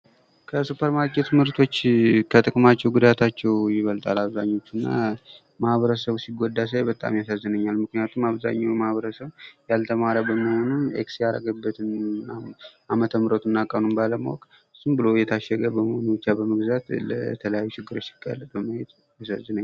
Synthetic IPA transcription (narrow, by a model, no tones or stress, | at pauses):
kʰəsupʰəɾmaɾkʰʼet̪mɨɾt̪ʰo̞t͡ʃːkʰət̪ʼɨkʼmat͡ʃːɛwɡud̪at̪ʰat͡ʃːɛwjɪβəlt̪ʼalaβzaɲːo̞t͡ʃːɨnːa̰ | mahβəɾəsəβsiɡod̪ːas̬ajbət̪ʼa̰mjasazːɨnəɲːalmɨknɨjat̪ʰumaβza̰ɲːawjmahβəɾəsəβjalt̪ʰəmaɾabəmːəho̞nunḛksjaɾə̰ɡəbːət̪ʰɨnaamət̪ʰəmɨɾot̪ɨnːakʼənumbaləmawokʼ | ɨsumbɨlo̞jɛt̪ʰaʃːɛɡəbəməhonubɨt͡ʃːabəməɡzat̪lə̰t̪ʰələjajːut͡ʃɪɡːɨɾo̞t͡ʃːjɪ̥ɡa̰lːəbəməhet̪ | jasazːɨnəɲː